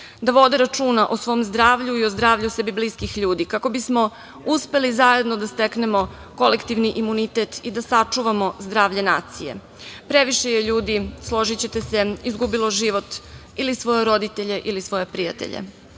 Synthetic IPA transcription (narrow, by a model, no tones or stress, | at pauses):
d̪aʋo̞d̪eɾat͡ʂuːnaʔosʋo̞ːmzd̪ɾaːʋʎuiozd̪ɾaːʋʎusebibliskixʎuːd̪ikako̞bismo̞ | uspe̞lizaje̞d̪nod̪ast̪eknemo̞ | ko̞lekt̪iʋniʔimunit̪et̪id̪asat͡ʂuʋamo̞zd̪ɾaːʋʎenaːt̪sije̞̰ | pɾeʋiʃejeʎuːd̪islˠo̞ʒit͡ɕe̞t̪ese̞izɡubilˠo̞ʒiʋo̞t̪ | ilisʋo̞jeɾo̞d̪it̪eʎe̞ʔilisʋo̞je̞pɾija̰t̪ḛʎḛ